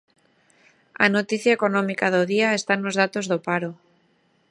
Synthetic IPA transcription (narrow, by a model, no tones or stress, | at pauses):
a̰not̪iθjaeko̞nõmikaðoðiaest̪anːozð̞at̪ozðopaɾo